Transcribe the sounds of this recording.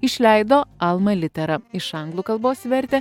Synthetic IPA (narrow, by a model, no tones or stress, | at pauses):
ɪʃʲlʲɛɪd̪oːɐlˠmɐlʲɪt̪ʲɛɾɐɪʃɐŋɡlˠuːkɐlˠboːsʋʲɛɾʲt̪ʲɛ